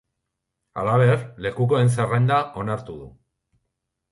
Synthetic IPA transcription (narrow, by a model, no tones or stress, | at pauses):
a̰laβ̞e̞ɾle̞kuko̞e̞ns̬erajnd̪aʔo̞naɾt̪uðṵ